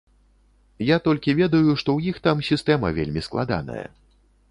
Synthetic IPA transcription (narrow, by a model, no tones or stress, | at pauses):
jat̪ɔlʲkʲivʲɛd̪ɐjuʂt̪ɔwjixt̪amsʲist̪ɛmɐ̰vʲḛlʲmʲisklˠa̰d̪a̰nɐ̰jɐ̰